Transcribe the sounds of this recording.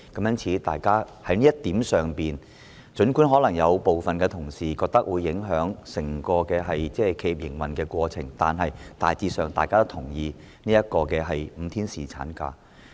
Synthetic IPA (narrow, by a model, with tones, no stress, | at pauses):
kɐ˨˥mjɐ˥nt͡sʰiː˨˥t̪aː˨jkaː˥ | hɐ˨˥jniː˥jɐ˥tt̪iː˨˥msœː˨ŋpiː˨n | t͡ʃɵ˨˥nkuː˨˥nɦɔː˨˥lɐ˨˩ŋjɐ˨˧wpo˨wfɐ˨nkɛː˧t̪ʰʊ˨˩ŋsiː˨˩kɔː˧k̚t̪ɐ˥k̚wuː˨˧jːɪ˨˥ŋɦœː˨˥ŋsɪ˨˩ŋkɔː˧kɛː˧ɦɐ˨jt͡sɛː˥˩kʰe˧ji˧˩p̚jɪ˨˩ŋwɐ˨˩nkɛː˧kʷɔː˧t͡sʰɪ˨˩ŋt̪a̰ː˨nɦɐ˨jt̪a̰ː˨jt͡siː˧sœː˨ŋt̪a̰ː˨jkaː˥t̪o˥t̪ʰʊ˨˩ŋjiː˧ | niː˥jɐ˥t̚kɔː˧kɛː˧ɦɐ˨jm̩˨˧˦t̪ʰiː˥nsiː˨˩t͡sʰa̰ː˨˥nka̰ː˧